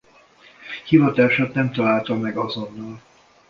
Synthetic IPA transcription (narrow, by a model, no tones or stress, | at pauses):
hivɒt̪aːʃat̪nɛmt̪ɒlaːlt̪ɒmɛɡɒzo̞nːɒl